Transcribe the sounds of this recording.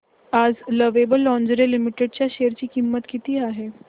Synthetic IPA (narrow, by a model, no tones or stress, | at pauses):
ad͡zləʋebəlːɔ̃ɲd͡ʑɾelimiʈeɖ̚t͡ɕjaɕejəɾt͡ɕiːkimːət̪kit̪iːaɦe